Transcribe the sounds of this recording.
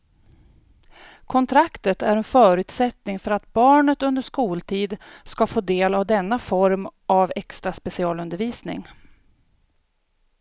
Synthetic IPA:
kʰɔnt̪ʰɾakt̪ət̪æɾɛnfœːɾʉ̟ːt̪sɛt̪nɪŋfœɾat̪bɑːɳət̪ɵnd̪əʂkuːlt̪ʰiːd̪skafoːd̪eːlavd̪ɛnːafɔɾmʔavɛkst̪ɾaspɛsɪɑːlɵnd̪əɾviːsnɪ̰ŋ

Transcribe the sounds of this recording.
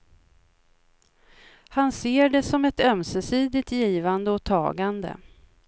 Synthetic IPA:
hanseːɖɛsɔmɛt̪œmsɛsiːd̪ɪt̪jiːvand̪əɔt̪ʰɑ̰ːɡand̪ə̰

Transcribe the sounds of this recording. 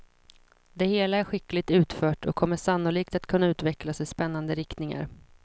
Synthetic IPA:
d̪ɛheːlaæɾɧɪklɪt̪ʉ̟ːt̪fœːʈʰɔ̰kʰːɔmːəʂanːʊliːkt̪at̪kʰɵnːaʉ̟ːt̪vɛklasɪspɛnːand̪əɾɪkt̪nɪŋa̰ɾ

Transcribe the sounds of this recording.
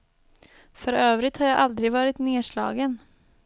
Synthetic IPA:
fœɾøːvɾɪt̪haɾjɑʔald̪ɾɪvɑːɾɪt̪neːʂɭɑ̰ːɡən

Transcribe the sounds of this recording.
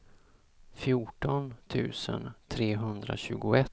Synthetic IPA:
fjuʈɔnt̪ʰʉ̟̰ːsə̰nt̪ʰɾeːɦɵnd̪ɾa̰ɕʉ̟ːɡʊɛt̪

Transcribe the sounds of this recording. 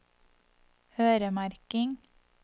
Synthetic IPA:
høːɾəmæɾkɪŋ

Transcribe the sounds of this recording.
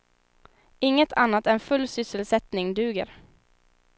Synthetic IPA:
ɪŋːət̪ʰanːat̪ɛnfɵlːsʏsəlsɛt̪nɪŋd̪ʉ̟ːɡə̰ɾ

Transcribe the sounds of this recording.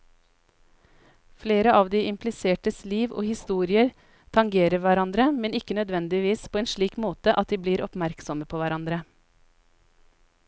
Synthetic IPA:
fleːɾəɑːʋd̪iːʔɪmpʰlɪseːʈəsliːʋʔo̰ːhɪst̪uːɾɪəɾ | t̪ʰɑŋɡeːɾəɾʋæɾɑnd̪ɾəmɛnɪkənœd̪ʋɛnd̪ɪʋiːspʰoːeːnʃɭiːkmoːt̪əʔɑt̪̚d̪iːbliːɾʔɔpmæɾksɔməpʰoːʋæɾɑnd̪ɾə

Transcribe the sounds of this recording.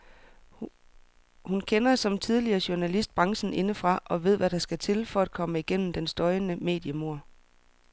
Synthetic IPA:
hunkʰenɐsɒ̽mt͡sʰið̞ˠliɐːɕuɐnælisd̥̚b̥ʁɑ̈ŋsn̩ʔe̝nəfʁɑ̈ʔɒ̽ʋe̝ð̞̰ˠʋæɾ̥ɑ̈sɡ̥æt͡sʰe̝lfɒ̽æd̥̚kʰɒ̽məiɡ̥en̰m̩d̥ensd̥ɒ̽ɪnəme̝̰ːd̥jəmo̝ɐ̰

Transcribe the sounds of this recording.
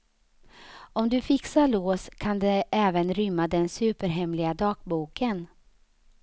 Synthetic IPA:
ɔmd̪ɵfɪksaɭoːskʰand̪ɛʔɛːvənɾʏmːad̪ɛnsʉ̟ːpəɾɦɛmlɪɡad̪ɑːk̚buːkən

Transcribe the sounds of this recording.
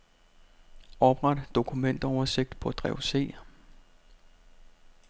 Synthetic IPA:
ɒ̽b̥ʁäd̥d̥o̝kʰumen̰d̥ɒʊɐse̝ɡ̥̚d̥pʰɒ̽d̥ʁɛʊse̝̰ː

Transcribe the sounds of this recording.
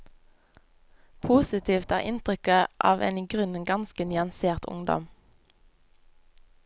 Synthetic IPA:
pʰuːsɪt̪ʰiːft̪æːʁɪnt̪ʁʏkəʔɑ̰ːʋʔḛːniːɡʁʉnənɡɑnskənɪɑnseːʁt̪ʊ̰ŋd̪ɔ̰m

